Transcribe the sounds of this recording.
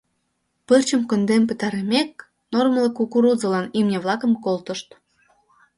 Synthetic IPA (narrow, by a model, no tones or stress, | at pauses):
pərt͡ɕə̆mkə̆nd̪empə̆t̪ɑɾemek̚ | normləkukuɾuzə̆lɑnimnʲeβlˠɑkə̆mkolt̪ə̆ʃt̪